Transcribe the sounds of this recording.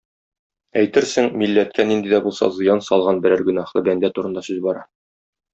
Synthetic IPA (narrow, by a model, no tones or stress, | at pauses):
æjt̪ɘɾsɘŋmilːæt̪̚kʰænind̪id̪æbulˠsɑ̰zɤ̆jɑnsɒlˠʁɑnbɘ̆ɾæɾɡɵ̆nɑhlˠɤbænd̪æt̪uɾɤ̆nd̪ɑsʉzbɒɾɑ